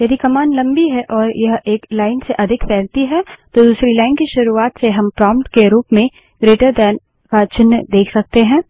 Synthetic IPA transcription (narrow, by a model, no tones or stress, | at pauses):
jɐd̪ikɐmaːnlɐ̃mbiɦɛʔɔːɾjɐɦeːklaːɪnseʔɐd̪ʱɪkpɛːɾt̪iɦɛt̪od̪uːsɾilaːɪnkiʃʊɾuaːt̪seɦɐmpɾɔːmpʈkeɾuːpmẽ | ɡɾeːʈəɾd̪ɛːn | baːt͡ʃɪnːəd̪eːkʰsɐk̚t̪eɦɛ̃ː